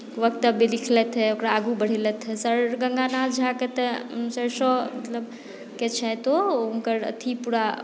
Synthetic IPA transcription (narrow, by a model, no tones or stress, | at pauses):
ʋəkt̪ːəbelikʰlɛt̪ʰɦɛokɾaːɡubəɽ̤ilɛt̪ʰɦɛsəɾɡəŋɡanad͡ʒʱaket̪əsəɾsɔmət̪ləb | ket͡ʃʰɛt̪ouŋkəɾə̰t̪ʰipuɾa